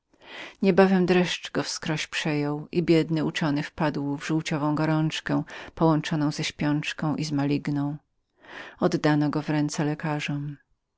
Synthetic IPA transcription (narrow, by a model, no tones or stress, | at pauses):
ɲɛbavɛmd̪ɾɛʂt͡ʂɡɔfskɾɔɕpʂɛjɔwʔibʲjɛd̪nɘut͡ʂɔnɘfpad̪wvʐuwt͡ɕɔvɔ̃w̃ɡɔɾɔnt͡ʂkɛ̃pɔwɔnt͡ʂɔnɔ̃w̃zɛɕpʲjɔnt͡ʂkɔ̃w̃ʔizmalʲiɡnɔ̃w̃ | ɔd̪ːanɔɡɔvɾɛnt̪sɛlɛkaʐɔm